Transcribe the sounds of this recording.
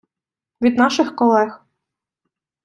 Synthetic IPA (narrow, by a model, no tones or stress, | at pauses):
vʲid̪nɑʃɨxkɔlˠɛx